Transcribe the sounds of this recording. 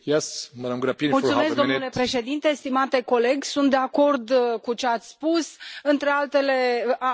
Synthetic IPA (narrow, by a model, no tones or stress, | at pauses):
jesməd̪amɡɾapid̪multsumesd̪omnnule̞pɾe̞ʃe̞d̪int̪e̞st̪imat̪e̞ko̞le̞ɡʲsunt̪̚d̪e̞ako̞rd̪kut͡ʃeat̪sʲspusɨnt̪ɾe̞alt̪e̞le̞